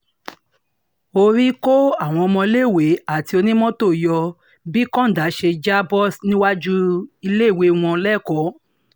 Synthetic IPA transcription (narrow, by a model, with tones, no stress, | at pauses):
o˧ɾi˦ko˦a˦˨w̃ɔ̃˧ɔ˧mɔ̃˧i˧le˦˨we˨˦a˦˨ti˧o˧nĩ˦mɔ̃˦to˦˨jɔ˧ | bi˦kɔ̃˦n̩˨da˨˦ʃe˧d͡ʒa˦bɔ˦˨snĩ˦wa˦d͡ʒu˦i˧le˦˨we˨˦˨w̃ɔ̃˧lɛ˦˨kɔ˨˦